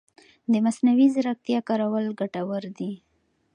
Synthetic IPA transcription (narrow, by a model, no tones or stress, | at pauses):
d̪əmasnawizɾak̚t̪jɑkɑɾawəlɡaʈawəɾd̪i